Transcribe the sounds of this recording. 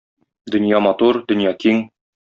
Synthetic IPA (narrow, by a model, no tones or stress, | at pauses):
d̪ɵ̆njɑmɒt̪uɾd̪ɵ̆njɑkiŋ